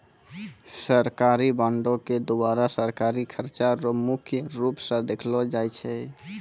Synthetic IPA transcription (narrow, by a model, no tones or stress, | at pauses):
səɾkaɾibãɳɖoked̪obaɾasəɾkaɾikʰəɾt͡ʃaɾɔmukʰjəɾupsə̃d̪ekʰlɔd͡ʒajt͡ʃʰɛ